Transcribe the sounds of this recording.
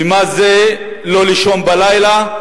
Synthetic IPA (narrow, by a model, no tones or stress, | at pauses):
imaze | loliʃonbalajla